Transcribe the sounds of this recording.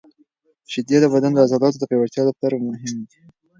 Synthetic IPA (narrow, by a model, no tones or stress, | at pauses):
ʃɪd̪jeəbad̪and̪əazɑlɑt̪od̪əpajwat̪jɑd̪ət̪aɾamʊɦɪmd̪i